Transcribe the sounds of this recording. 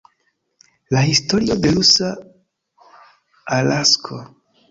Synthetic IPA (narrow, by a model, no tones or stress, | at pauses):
lahisto̞ɾio̞de̞lusa | alaskʰo